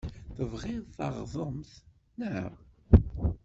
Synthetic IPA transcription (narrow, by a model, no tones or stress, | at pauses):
θəvʁɪðθɑ̰ʁðˤəmθ | næ